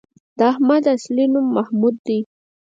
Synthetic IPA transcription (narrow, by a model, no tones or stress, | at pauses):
d̪̥ahmad̪aslɪnʊmːahmʊd̪ːij